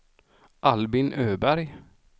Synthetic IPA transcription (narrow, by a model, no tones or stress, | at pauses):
ʔalbɪnʔøːbæɾj